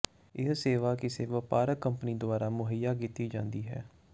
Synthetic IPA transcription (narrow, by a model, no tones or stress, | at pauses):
ɪsseːʋaːkɪseːʋəpaːɾəkəmpniːd̪ʊaːɾaːmʊɦəjaːkiːt̪iːd͡ʒãːnd̪iːɦɛ̰ː